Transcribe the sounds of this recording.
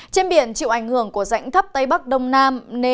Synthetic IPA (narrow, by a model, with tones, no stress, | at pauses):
t͡ɕe˧nɓi˧˩ənt͡ɕḭ˧˨wʔa˧˩jŋ̟hɨ˧˩əŋku˧˩əza̰˧˥jŋt̪ʰə˦˥p̚t̪ə˧jɓa˦˥k̚ɗə˧wŋ͡mnaː˧mne˧